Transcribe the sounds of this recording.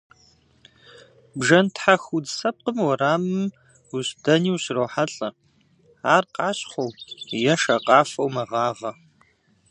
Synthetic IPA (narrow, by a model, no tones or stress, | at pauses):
bʒɐntʰħaxudsɐp̚qəmwɔɾaːmɨm | ʊɕdɐniːwɕrowħaɬʼɐ | aːrqʼɑːɕχʷowjɛʃɐqʼɑːfɐwmɐʁɑːʁɐ